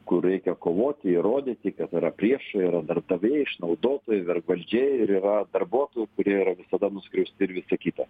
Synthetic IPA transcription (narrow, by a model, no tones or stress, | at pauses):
kʊrːɛɪkʲɛkoːʋoːt̪ʲɪɪɾoːd̪ʲiːt̪ʲɪkɐt̪ɪɾɐpʲɾʲiɛʃɐiɾɐd̪ɐɾb̚d̪ɐʋʲeːjɪʃnɐʊd̪oːt̪oːjɛʋʲɛrɡʋɐlʲd͡ʒʲɛɪɾiːɾɐd̪ɐrbuɔt̪oːjʊkʊɾʲiɛiːɾɐʋʲɪsɐd̪ɐnʊsʲkɾʲɛʊsʲt̪ʲɪɾʋʲɪsɐkʲiːt̪ɐ